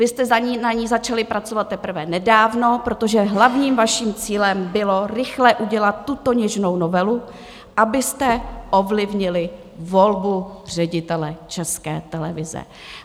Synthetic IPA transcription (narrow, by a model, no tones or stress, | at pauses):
vɪst̪ɛzaɲiːnaɲiːzat͡ʃalɪpɾat͡so̞vat̪̚t̪ːɛpr̩vɛnɛdaːvno̞pɾo̞t̪o̞ʒɛɦlavɲiːmvaʃiːmt͡siːlɛmbɪlo̞ɾɪxlɛʔuɟɛlat̪ːut̪o̞ɲɛʒno̞wno̞vɛlu | ʔabɪst̪ɛʔovlɪvɲɪlɪ | vo̞lbur̝ɛɟɪt̪ɛlɛt͡ʃɛskɛ̰ːt̪ɛlɛvɪzɛ̰